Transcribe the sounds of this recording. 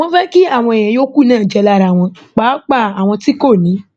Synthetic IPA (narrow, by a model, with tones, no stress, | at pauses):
w̃ɔ̃˦fɛ˦ki˦a˦˨w̃ɔ̃˧e˨j̃ɛ̃˨jo˦ku˦˨nãː˦˨d͡ʒɛ˧la˦˨ɾa˨w̃ɔ̃˧ | k͡pa˨˦k͡pa˦˨a˨w̃ɔ̃˧ti˦ko˦˨nĩ˨˦